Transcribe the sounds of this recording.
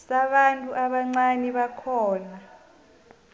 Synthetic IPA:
saɓantʼuʔaɓaŋ͡ǀaniɓakʰɔːna

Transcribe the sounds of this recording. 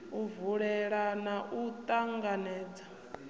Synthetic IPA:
uvuɺɛɺanaʔut̪ʼaŋɡanɛːd͡za

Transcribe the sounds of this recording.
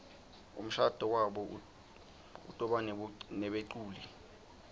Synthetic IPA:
ṵm̩ʃad̥ʱɔwaɓɔ | ṵtʼɔɓannɛɓeǃuːli

